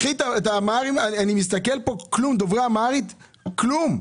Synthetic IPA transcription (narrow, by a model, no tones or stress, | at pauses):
it̪aet̪amaʁimananimis̬t̪akelpoklumd̪ovʁaamaʁit̪ | klum